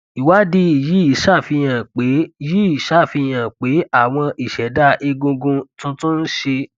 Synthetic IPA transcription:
i˨wa˦di˧i˨ji˨˦i˨˦ʃa˦˨fi˧j̃ã˨k͡pe˨˦ji˦i˨˦ʃa˦˨fi˧j̃ã˨k͡pe˨˦a˦˨w̃ɔ̃˧ʔi˨ʃɛ˨˦da˦ʔi˧ɡũ˧ɡũ˧tũ˦tũ˦n̩˦ʃe˧

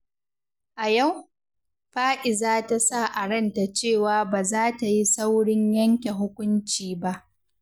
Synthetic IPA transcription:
ʔa˨ja˦˨w | ɸaː˦ʔɪ˨zaː˦ta˨sa˦˨ʔa˨ɽɐ˦˨nta˨t͡ʃeː˦˨waː˨˦baː˨zaː˦ta˨ji˦sa˦wɽɪ˦ɲjɐ˦ŋkʲe˨ɦʊ˦kʷʊ˦nt͡ʃiː˨ba˦ʔ

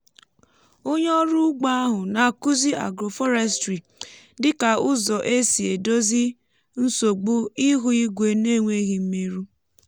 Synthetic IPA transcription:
o˦ɲ˦ɔ˦ɾu˦ɡ͡ba˦ɦʊ˨na˨ku˦zi˦a̰˨ɡɾo˨fɔ˦ɾɛ˦s̬tɾi˨ | dɪ˦ka˨ʊ˦zɔ˨ʔe˦si˨e˨do˦zi˦ | n̩˦so˨ɡ͡bu˦i˦ɦʊ˦i˦ɡʷe˦ne˦ŋʷe˦ɣi˨m̩˦me˦ɾu˦

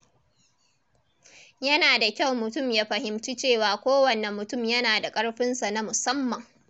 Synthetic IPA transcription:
jɐ˦naː˨da˨kʲa˦˨wmʊ˨tʊ˦˨mjaː˦ɸɐ˨hɪ˨mt͡ʃi˦t͡ʃeː˦˨waː˨kʷoː˦wɐ˨nɛ˨mːʊ˨tʊ˦˨mjɐ˦naː˨da˨kʼɐ˦ɽɸɪ˦nsa˨na˦mʊ˨sɐ˦mːɐ˨ŋ

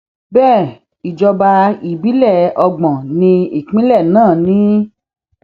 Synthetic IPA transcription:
bɛː˦˨ | i˨d͡ʒɔ˧ba˧i˨bi˨˦lɛ˦˨ɔ˧ɡ͡bɔ̃˨nĩ˧i˨k͡pĩ˦lɛ˦˨nãː˦˨nĩ˨˦

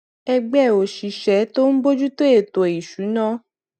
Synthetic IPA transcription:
ɛ˧ɡ͡bɛ˦˨o˨ʃi˨ʃɛ˨˦to˦n̩˦bo˦d͡ʒu˦to˦e˦˨to˨i˨ʃu˨˦nã˦

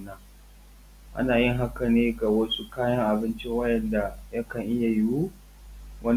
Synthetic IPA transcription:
na˦ | ʔa̰˦naː˨jɪ˦ŋɦa˦kɐ˨neː˦ɡa˨wɐ˦sʼu˦kaː˦jɐ˦ŋʔa˨bɪ˦nt͡ʃi˦wɐ˦ʔɛ˨nda˨jɐ˦kɐ˨ŋʔɪ˦ja˨jɪ˦wu˦ | wʔɐ˦n

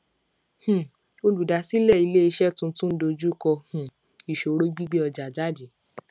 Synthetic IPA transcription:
h̩˨ | o˧lu˨da˨˦si˦lɛ˦˨i˨˧le˦i˧ʃɛ˦tũ˦tũ˦n̩˦do˧d͡ʒu˦kɔ˧hũ˨ | i˨ʃo˨ɾo˦ɡ͡bi˦ɡ͡be˦ɔ˧d͡ʒa˨d͡ʒa˦˨di˨˦

